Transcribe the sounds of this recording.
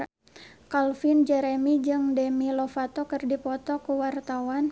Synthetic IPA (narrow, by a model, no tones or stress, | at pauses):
kalfind͡ʒɛɾɛmid͡ʒɨŋdɛmilofat̪ɔkɨrdipɔt̪ɔkuwart̪awan